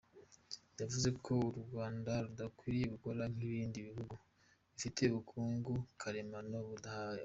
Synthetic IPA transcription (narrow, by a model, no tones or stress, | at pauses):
javuze̞kʰo̞uɾɡwaːndaɾudakwiːɾijeβukoɾaŋ̥iβiːndiβihuɡu | βifite̞βukʰuːŋɡukʰaɾemanoβudahaj